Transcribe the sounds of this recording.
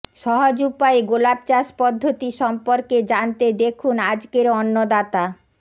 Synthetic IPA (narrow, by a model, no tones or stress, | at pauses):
ʃɔɦod͡ʑupaeɡolab̚t͡ɕaʃpɔd̪ʱːot̪iʃɔmpoɾked͡ʑant̪ed̪ekʰunad͡ʑkeɾɔnːod̪at̪a